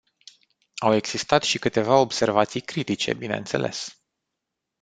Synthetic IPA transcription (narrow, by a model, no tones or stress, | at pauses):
awe̞ɡz̥ist̪at̪ʃikɨt̪e̞vao̞bse̞rvat̪sijkɾit̪it͡ʃe̞̰bine̞̰ɨnse̞̰lʔe̞̰s